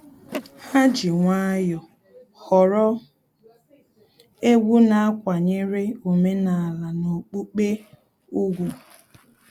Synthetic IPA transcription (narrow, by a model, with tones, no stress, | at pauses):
ha˦d͡ʒi˨ŋʷa˦jɔ˨ | hɔ˨ɾɔ˦ | e˦ɡʷu˦na˨a˦kʷa˨ɲe˦ɾe˦o˨me˦na˨la˨no˨k͡pu˦k͡pe˦ | u˦ɡʷu˨